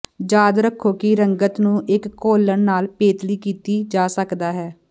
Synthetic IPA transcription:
d͡ʒaːd̪ɾəkʰːoːkɪɾəŋɡət̪nũːʔɪkːoːləɳnaːlpeːt̪liːkiːt̪iːd͡ʒaːsəkd̪aːɦɛː

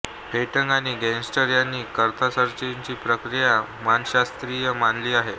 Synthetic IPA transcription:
peʈəŋɡañiːɡɛnsʈəɾjanːiːkəɾt̪ʰasəɾt͡ɕiɲt͡ɕiːpɾəkɾija | manɕast̪ɾijəmanliːaɦe

